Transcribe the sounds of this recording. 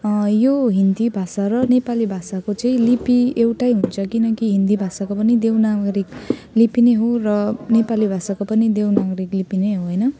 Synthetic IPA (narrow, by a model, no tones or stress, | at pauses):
joɦind̪ibʱasaɾʌnepalibʱasakot͡sʌĩlipiewʈajɦunt͡sʰʌkinʌkiɦind̪ibʱasakopʌnid̪ewnaɡʌɾik | lipineɦorʌnepalibʱasakopʌnid̪ewnaɡʌɾiklipineɦoɦojnʌ